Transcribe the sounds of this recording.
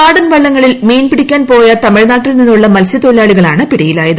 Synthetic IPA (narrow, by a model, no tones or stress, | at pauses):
aːɽɐnʋɐɭːɐŋːɐɭilme̞ːjnpiɽikʲːaːnpo̞ːjɐt̪ɐmiɻnaːʈːilninːuɭːɐmɐlɕɐt̪olaːɭiɣɐɭaːɳɨpiɽɐjilaːjɐðɨ